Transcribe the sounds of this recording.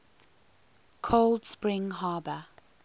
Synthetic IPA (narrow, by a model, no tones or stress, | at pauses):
kʰoldspɹɪ̃ŋɦaːbə